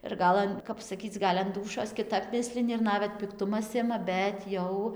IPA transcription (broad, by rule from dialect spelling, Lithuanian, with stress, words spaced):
ɪr ˈɡɐlˠ ɐn ˈkɐp sɐˈkʲiːt͡s ˈɡɐlʲ ɐn ˈduːʃʲoːs kʲɪˈtɐp ˈmʲɪsʲlʲɪnʲɪ ɪr ˈnɑːʋʲɛt pʲɪkˈtʊmɐs ˈɪmɐ ˈbʲɛt jɛʊ